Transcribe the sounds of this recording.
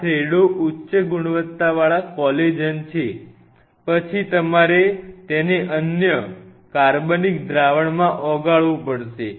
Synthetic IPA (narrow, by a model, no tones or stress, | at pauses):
tʰɾeɽoʔutːʃəɡuɽ̃ʋət̪ːaʋaɭakɔled͡ʒənt͡ʃʰe | pət͡ʃʰit̪əmaɾet̪eneʔənjə | kaɾbənik̚d̪ɾaʋəɳmãʔɔɡaɭʋũpəɽʃe